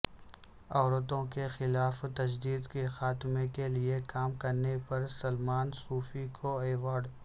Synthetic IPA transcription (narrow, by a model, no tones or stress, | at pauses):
ɔːɾət̪õkexɪlaːft̪ɐd͡ʒd̪iːd̪kexaːt̪ɪmekeliekaːmkɐɾnepɐɾsɐlmaːnsuːfikʰoeːwaːɾɖ